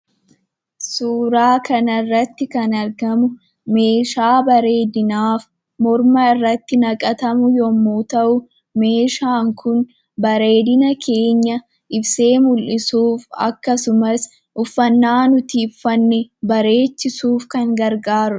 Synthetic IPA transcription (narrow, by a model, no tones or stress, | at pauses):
suːɾaːkʰɐnɐrːɐt̪ːɪkɐnɐɾɡɐmʊ | me̞ːʃaːbɐɾe̞ːd̪ɪnaːf | mɔɾmɐɪrːɐt̪ːɪnɐkʼɐt̪ɐmʊjɔmːuːt̪ɐʔʊ | me̞ːʃaːŋkʰʊn | bɐɾe̞ːd̪ɪnɐkʰe̞ːɲːɐ | ʔɪbse̞ːmʊlʔɪsuːfɐ̰kːɐsʊmɐs | ʔʊfːɐnːaːnʊt̪iːfːɐnːɛbɐɾe̞ːt͡ʃːɪsuːfkɐŋɡɐɾɡaːɾʊ̥